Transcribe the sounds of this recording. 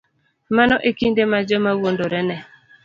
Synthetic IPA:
manɔʔekindemad͡ʒɔmawondoɾɛnɛ

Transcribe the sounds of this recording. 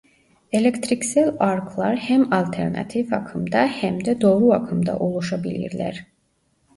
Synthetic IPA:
e̞lʲect̪ɾicsælʲaɾkʰlˠaɾhæmalʲt̪ʰɛɾna̰t̪ʰifakʰɯmd̪ahæmd̪ɛd̪o̞ːɾuakʰɯmd̪a̰ʔo̞lˠuʃabilʲḭɾlʲæ̰ɾ̥

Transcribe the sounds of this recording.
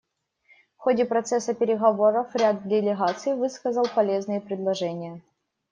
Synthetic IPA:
fxodʲɪpɾɐt̪sɛsəpʲɪɾʲɪɣɐvo̞ɾəfɾʲad̪̚dʲɪlʲɪɣat̪sɨivɨskəzəlˠpɐlʲe̞znɨjəpɾʲɪd̪lˠɐʐɛnʲɪjə

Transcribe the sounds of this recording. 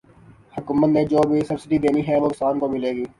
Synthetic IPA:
hʊkuːmət̪nẽːd͡ʒoːbʱisɐbsɪɖid̪eːniɦɛʋoːɪksaːnkobʱileːɡiː

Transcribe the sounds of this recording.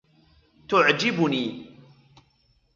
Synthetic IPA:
t̪ʊʕd͡ʒɪbʊniː

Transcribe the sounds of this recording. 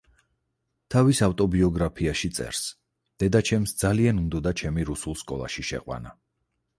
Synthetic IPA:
t̪ʰavisaft̪ʼɔbiɔɡɾapʰiaʃit̪sʼɛ̰ɾs | d̪̥ɛd̪at͡ʃʰɛmsd̪zalianumd̪ɔd̪at͡ʃʰɛmiɾusulˠskʼɔ̰lˠa̰ʃiʃɛ̰qʼwa̰na

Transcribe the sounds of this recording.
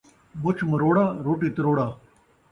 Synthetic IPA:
bot͡ʃʰmɐɾoːɽaːɾoːʈiːt̪ɐɾoːɽaː

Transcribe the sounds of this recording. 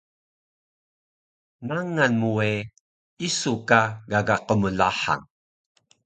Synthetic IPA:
naŋanmue | isukaɡaɡaqəməɮa̰ħa̰ŋ

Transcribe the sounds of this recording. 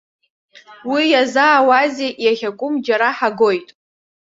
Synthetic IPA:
wijazaːwazeʔjaχʲakʷʼʊmd͡ʒaɾaħaɡo̞jtʼ

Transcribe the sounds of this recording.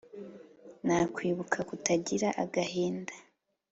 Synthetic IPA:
naːkwiːβukʰakutaɟiɾaʔaɡaheːndḁ

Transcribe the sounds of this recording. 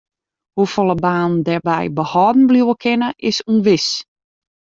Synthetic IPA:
hufɔlˠəbaːndɛrbɛjbəhɔːdn̩bluwəkʰɪnəʔɪsunʋɪs

